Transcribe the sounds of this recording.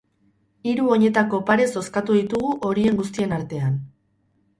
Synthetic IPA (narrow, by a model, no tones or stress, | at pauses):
iɾuo̞ɲe̞t̪ako̞paɾe̞so̞skat̪uðit̪uɣuʔo̞ɾie̞ŋɡust̪ie̞naɾt̪e̞an